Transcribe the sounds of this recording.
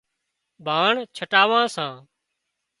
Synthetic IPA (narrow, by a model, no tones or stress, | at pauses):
bʱaːɳt͡ʃʰəʈaːʋãːsãː